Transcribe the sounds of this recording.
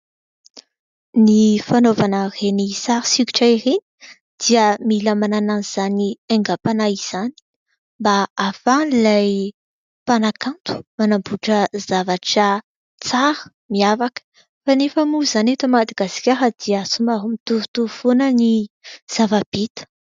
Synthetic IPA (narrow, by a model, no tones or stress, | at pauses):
nifanovanərenisaɾisiki̥ʈ͡ʂaiɾeni̥ | d̪̥iəmiləmanananiz̥anieŋɡapanaiz̥ani̥ | mbaːfanilaj | panakant̪u̥manambuʈ͡ʂəzavaʈ͡ʂə | t͡saɾə̥ | miavakə̥ | fanefəmuzanet̪umad̪aɡasi̥kʲaɦəd̪̥iəsumaɦumit̪uvut̪uvonəniz̥avab̥it̪ə̥